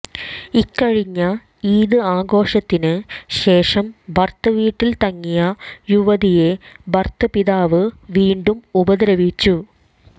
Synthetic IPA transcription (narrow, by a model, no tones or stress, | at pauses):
ikːɐɻiɲːɐ | iːðɨaːɡo̞ːʂɐt̪ːinɨɕe̞ːʂɐmbʱɐrt̪ɐʋiːʈːilt̪ɐŋːijɐjuʋɐðije̞bʱɐrt̪ɐpiðaːʋɨʋiːɳɖumubɐðɾɐʋit͡ɕːu